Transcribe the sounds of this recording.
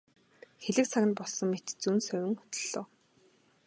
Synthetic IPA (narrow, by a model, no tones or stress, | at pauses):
xeɮɘ̆kt͡sʰaɣʲɘ̆npɔɮsɞ̆ŋmet̪t͡suːnsœwʲɪ̆ŋʊ̥t̪ɵ̆ɮoː